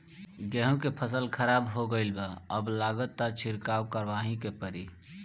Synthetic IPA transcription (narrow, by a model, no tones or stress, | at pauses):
ɡɛɦũkepʰəsəlkʰəɾabɦoɡəɪlbəəblaɡət̪ːat͡ʃʰiɾkawkəɾʋaɦĩkepəɾi